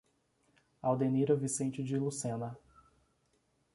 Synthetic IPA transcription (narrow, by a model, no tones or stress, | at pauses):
awd̪eniɾɐvisẽnt͡ʃɪd͡ʒɪlusẽnɐ